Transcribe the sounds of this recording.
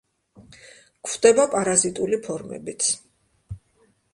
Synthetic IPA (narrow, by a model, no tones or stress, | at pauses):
kʰvd̪̥ɛbapʼaɾazit̪ʼulipʰɔɾmɛ̰bit̪sʰ